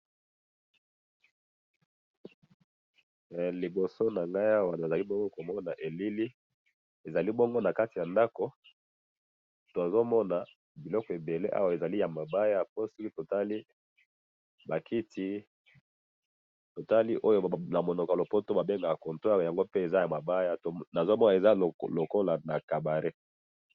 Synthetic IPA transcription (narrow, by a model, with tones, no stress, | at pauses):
li˨bo˨so˦na˨ŋɡa˦ji˦a˦wa˨na˨za˨li˦bɔ˦ŋɡo˦ko˨mɔ˦na˨ʔe˨li˦li˦ | e˨za˨li˦bɔ˦ŋɡo˦na˨ka˦ti˨ja˨nda˦ko˨ | to˨a˨zo˦mɔ˦na˨ | bi˨lɔ˦kɔ˨e˨be˨le˦ʔa̰˦wa˨e˨za˨li˦ja˨ma˨ba˦ja˦po˦si˦ki˦to˨ta˦li˦ | ba˨kʰi˦tʰi˦ | to˨ta˦li˦ʔo˦jo˦na˨mo˨nɔ˨ka˨lo˨po˦to˦ba˨be˦ŋɡa˨ko˨nto˦a˦˨ja˨ŋɡo˦pe˦e˨za˦ja˨ma˨ba˦ja˦to˨na˨zo˦mɔ˦na˨e˨za˦˨lo˨ko˦la˨na˨ka˨ba˨ʁe˦